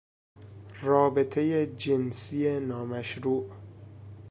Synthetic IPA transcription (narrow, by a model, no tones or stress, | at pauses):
rɒːbet̪ʰejed͡ʒensijenɒːmæʃɾuːʔ